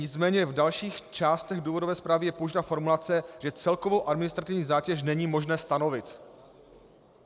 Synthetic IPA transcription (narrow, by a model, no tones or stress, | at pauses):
ɲɪt͡smɛːɲɛvdalʃiːxt͡ʃaːst̪ɛɣduːvo̞dovɛːspɾaːvɪjɛpowʒdafo̞ɾmulat͡sɛʒɛt͡sɛlko̞vowʔadmɪnɪst̪ɾat̪ɪvɲiːzaːcɛʃ̬nɛɲiːmo̞ʒnɛːst̪ano̞vɪt̪